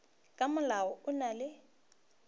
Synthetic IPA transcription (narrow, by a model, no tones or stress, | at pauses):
kʼamʊlaɔʊnalɪ